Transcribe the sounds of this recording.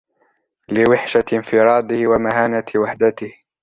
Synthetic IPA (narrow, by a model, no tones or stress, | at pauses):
lɪwɪħʃaɪnfɪɾˤɑːd̪ˤɪhwamaɦaːnawaħd̪at̪ɪh